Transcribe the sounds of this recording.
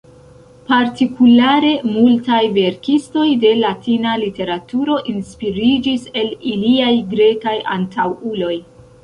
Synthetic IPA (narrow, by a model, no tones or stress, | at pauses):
paɾtikulaɾe̞multajve̞ɾkisto̞jde̞latinalite̞ɾatuɾo̞ʔinspiɾid͡ʒise̞liliajɡɾe̞kaja̰ntʰawulo̞j